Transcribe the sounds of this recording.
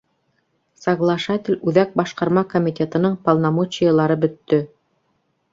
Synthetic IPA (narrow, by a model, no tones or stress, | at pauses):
sɑɡlˠɑʃat̪ʲɪlʲʉðæk̚bɑʃqɑɾmɑkomʲit̪ʲet̪ɤ̆nɤɴpɑlˠnɑmot͡ɕɪjəlˠɑɾɤbɵ̆t̪ːɵ